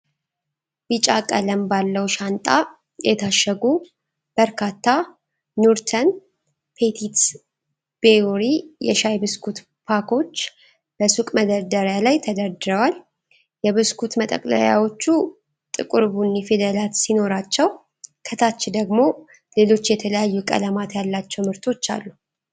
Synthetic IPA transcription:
bɨt͡ʃʼakʼələmbalːəwʃant̪ʼa | jɛt̪ʰaʃːəɡu | b̥əɾkʰat̪ʰːa | nuɾt̪ʰən | pʰet̪ʰit̪s | b̥eoɾijɛ̰ʃajbɨskʰut̪ | pʰakʰo̞t͡ʃː | b̥əsukʼməd̪əɾd̪əɾjalajt̪ʰəd̪əɾd̪ɨɾəwal | jɛβɨskʰut̪mət̪ʼə̰kʼlə̰ja̰wo̞t͡ʃːu | t̪ʼɨkʼɨɾbunːifed̪əlat̪sino̞ɾat͡ʃːɛw | kʰət̪ʰat͡ʃːd̪əɡmo̞ | le̞lo̞t͡ʃːjɛt̪ʰələjajːukʼə̰ləmat̪jalːat͡ʃːɛwmɨɾt̪ʰo̞t͡ʃːa̰lːu

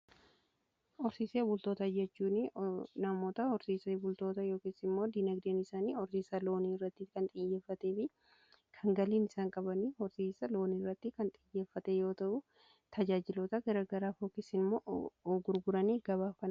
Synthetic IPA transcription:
ʔɔɾsiːseːbʊlt̪o̞ːt̪ɐd͡ʒɛt͡ʃːuːnɪnɐmo̞ːt̪ɐhɔɾsiːsɐbʊlt̪o̞ːt̪ɐjoːkeːsɪmːo̞ːd̪inɐɡdeːnɪsaːniɔɾsiːsɐlo̞ːniɪrːɐt̪ːɪkɐnt̪ʼɪjːeːfːɐt̪eːfɪ | kʰɐŋɡɐliːnɪsaːŋkʼɐbɐniːhɔɾsiːsɐlo̞ːnirːɐt̪ːɪkɐnt̪ʼɪjːe̞ːfːɐt̪ɛjo̞ːt̪ɐʔʊ | t̪ʰɐd͡ʒaːd͡ʒɪlɔt̪ɐɡɐɾaːɡɐɾaːfoːkeːsɪnɪmːoːʔɔɡʊɾɡʊɾɐniːɡɐbaːfɐn

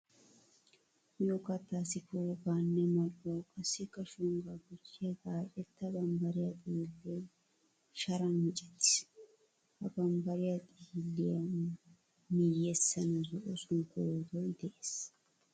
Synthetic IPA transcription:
joːkɐt̪ːaːsɪkoɡaːnːɛmɐlokʼɐsːɪkːɐʃʊŋɡɐɡʊt͡ʃːed̪aːt͡ʃʼɛt̪ːɐbɐmbɐɾɪjat̪ʼilːe | ʃɐɾɐnmɪt͡ʃʼɛ̥t̪ːɪ̥ | ɐbɐmbɐɾɪjat̪ʼilːɪɐ | mijɛsːɐnɐzɔʔɔsʊŋkod̪ɔjd̪ɛʔes

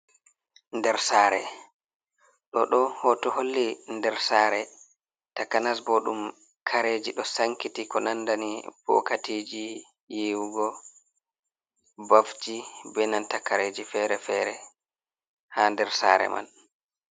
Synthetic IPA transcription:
ndɛɾsaːɾɛ | ɗɔɗɔhɔtɔholːindɛɾsaːɾɛ | takanasbɔɗum | kʰaɾed͡ʒiɗɔsaŋkitikɔnandanib̥ɔ̰katid͡ʒi | jewuɡɔ | bafd͡ʒibɛnantakaɾeːd͡ʒifɛɾɛfɛːɾɛ | handɛɾsa̰ːɾɛ̰ma̰n

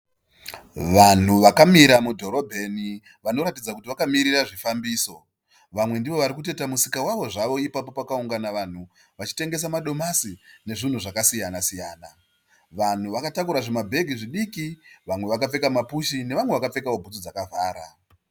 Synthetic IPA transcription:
ʋan̤uʋakamiɾamudʱo̞ɾo̞bʱe̞ni | ʋano̞ɾatid͡zakut̬iʋakamiɾiraʐifambiːso̞ | ʋamwe̞ndiʋo̞ʋaɾikut̬e̞tamusikawaʋo̞ʐaʋo̞ipapo̞pakauŋɡanaʋan̤u | ʋat͡ʃi̥te̞ŋɡe̞samaɗo̞masine̞ʐin̤uʐakasijanasijaːna | ʋan̤uʋakatakuɾaʐemabʱe̞ɡʱiʐiɗikiʋamwe̞ʋakap͡fe̞kamapuʃine̞ʋamwe̞ʋakap͡fe̞kao̞bʱut͡sod͡zakavʱaːɾa

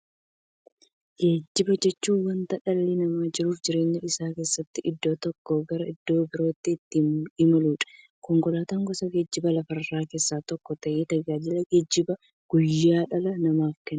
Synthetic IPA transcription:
ɡeːd͡ʒːɪbɐd͡ʒɛt͡ʃːuːnwɐnt̪ɐᶑɐlːɪnɐmaːd͡ʒɪɾuːfd͡ʒɪɾe̞ːɲːɛɪsaːke̞ːsːɐt̪ːɪʔɪd̪ːo̞ːt̪ɔkːoɡɐɾɐɪd̪ːo̞ːbɪɾo̞ːt̪ːɪːt̪ːɪɪmɐluːᶑɐ̥ | kɔŋkɔlaːt̪ɐŋɡɔsɐɡe̞ːd͡ʒːɪbɐlɐfɐrːaːke̞ːsːaːt̪ɔkːɔt̪ɐʔeːt̪ɐd͡ʒaːd͡ʒɪlɐɡeːd͡ʒːɪbɐ | ɡ̥ʊjːaːᶑɐlɐnɐmaːfkɛn

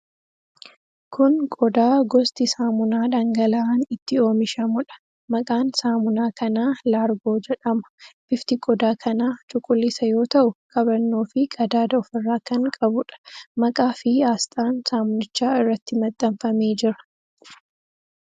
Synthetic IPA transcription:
kʰʊnkʼɔd̪aːɡɔst̪ɪsaːmʊnaːᶑɐŋɡɐlɐaːnɪt̪ːɪo̞ːmɪʃɐmʊᶑɐ̥ | mɐkʼaːnsaːmʊnaːkʰɐnaːlaːɾɡo̞ːd͡ʒɛᶑɐmɐ̥bɪft̪ɪkʼɔd̪aːkʰɐnaːt͡ʃʼʊkʼːʊlːɪsɐjo̞ːt̪ɐʔʊkʼɐbɐnːo̞ːfɪkʼɐd̪aːd̪ɐɔfɪrːaːkɐŋkʼɐbʊᶑɐ̥mɐkʼaːfɪaːst̪ʼaːnsaːmʊnɪt͡ʃːaːɪrːɐt̪ːɪmɐt̪ʼːɐmfɐme̞ːd͡ʒɪɾɐ̥

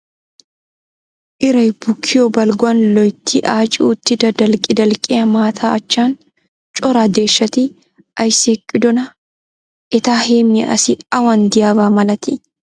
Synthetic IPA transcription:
ʔɪɾɐjb̥ʊkʰːɪjobɐlɡʊɐnlɔjt̪ʰːiʔaːt͡ʃʼɪuːt̪ːɪd̪ɐd̪ɐlkʼɪd̪ɐlkʼɪɐmaːt̪ʰaːɐt͡ʃːaːn | t͡ʃʼɔɾaːd̪e̞ːʃːɐt̪iː | ʔɐjsekʼːɪd̪ɔnɐ | ʔɪt̪aːheːmɪʔɐ̰sɪɐwɐnd̪ɪjaːbaːmɐlɐt̪ɪ

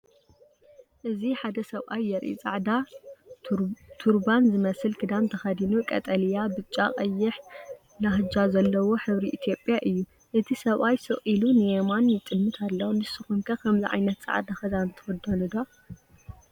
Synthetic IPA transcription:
ʔɨziħad̪ɐsɐβʔajːɐɾʔḭt͡sʼa̰ʕd̪a | t̪ʰuɾbanzɨmɐsɨlkʰɨd̪amt̪ʰɐxɐd̪inukʼɐ̰t̪ʼɐljabɨt͡ʃʼːakʼɐjːɪħ | nahɨd͡ʒazɐlːɐwo̞ħɨβɾiʔit̪ʰjo̞pʼjaʔɨjːu | ʔɨt̪ʰisɐβʔajsɨχʼilunɨjemanjɪt͡sʼɨmːɨt̪ʰalːɐwnɨsɨxumkʰɐkʰɐmziʕa̰jnɐt̪t͡sʼa̰ʕd̪axɐd̪ant̪ʰɨwɔd̪ɐnud̪o

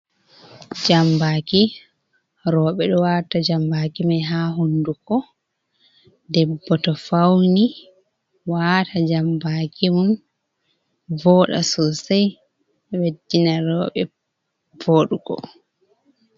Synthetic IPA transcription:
d͡ʒambaki | ɾɔːɓɛɗɔwaːtad͡ʒambakimajɦaːɦundukɔ | dɛbːɔtɔfawni | watad͡ʒambakimun | vɔːɗa̰sɔsaj | ɛwedːinaɾɔːɓɛ | voːɗukɔ̰

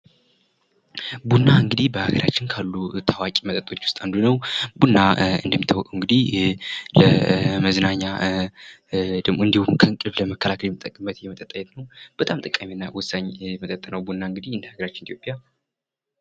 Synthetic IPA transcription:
bunːaɨŋɡɨd̪ihbəhaɡəɾʔa̰t͡ʃːɪnkʰalːut̪ʰawakʼimət̪ʼət̪ʼːo̞t͡ʃːwʊst̪ʼand̪unəwbunːaɨ̰nd̪əmːit̪ʰːəwɔkʼəwɨŋɡɨd̪ihləməznaɲːa | d̪ɨmɨnd̪ihumkʰəɨŋkʼɨβləməkʰːəlakʰəljɛmət̪ʼːəkʼmət̪jɛmət̪ʼət̪ʼːəjɛt̪nəwb̥ət̪ʼamt̪ʼɨkʼːaminːawɔsaɲjɛmət̪ʼət̪ʼːənəwbunːaɨŋɡɨd̪ihɨnd̪haɡəɾat͡ʃːɪnit̪jo̞pʼja

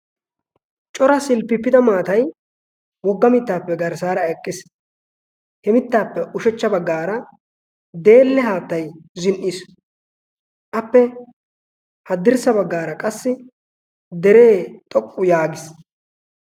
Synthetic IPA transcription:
t͡ʃʼɔɾɐsɪlpːɪpːɪd̪ɐmaːt̪ɐj | wɔɡːɐmɪt̪ːaːpːɛɡɐɾsaːɾɐɛkʼːɪs | hɛmɪt̪ːaːpːɛʔʊʃɛt͡ʃːɐbɐɡːaːɾɐ | d̪e̞ːlːɛɦaːt̪ːɐjzɪnʔis | ʔɐpːɛ | hɐd̪ɪɾsɐbɐɡːaːɾɐkʼɐsːɪ | d̪ɛɾe̞ːt̪ʼɔkʼːʊjaːɡɪs

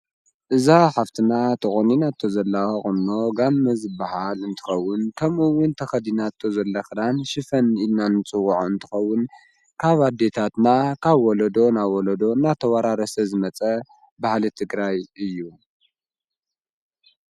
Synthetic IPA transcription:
ʔɨzaħaft̪ʰɨnat̪ʰɨχʼoninat̪ʰːo̞zɐlːaxɐxʼɨnːo̞ɡamːɐzɨbːahalɨnt̪ʰɨ̥xɐwːʊnkʰɐmɨwːʊnt̪ʰɐxɐd̪inat̪ʰːo̞zɐlːɐxɨd̪anʃɨfɐnilnanɨt͡sʼɨwuʕoɨnt̪ʰɨ̥xɐwːʊn | kʰaβad̪e̞t̪ʰat̪nakʰaβwɔlɐd̪o̞nawɔlɐd̪o̞nat̪ʰɐwaɾaɾɐsɐzɨmɐt͡sʼɐ | bahlit̪ʰɨɡɾajɨjːu

